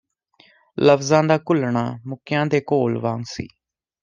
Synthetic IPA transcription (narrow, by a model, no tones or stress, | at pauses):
ləfzãːd̪aːkʊlɳaːmʊkjãːd̪eːkoːlʋãːŋɡsḭː